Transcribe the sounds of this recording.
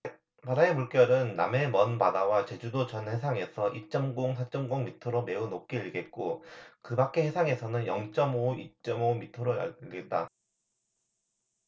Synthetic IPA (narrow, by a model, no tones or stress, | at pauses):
madaemuɭk͈jʌɾɯnːa̰me̞mʌnpadawat͡ɕe̞d͡ʑudot͡ɕʌnhe̞sʰaŋe̞sʰʌʔit͡ɕ͈ʌmɡoŋsʰat͡ɕ͈ʌmɡoŋmitʰɯɾome̞unok͈iiɭɡe̞t̚k͈okɯbak͈e̞he̞sʰaŋe̞sʰʌnɯnjʌŋt͡ɕ͈ʌmoit͡ɕ͈ʌmomitʰʌɾoja̰ɡe̞t̚t͈a̰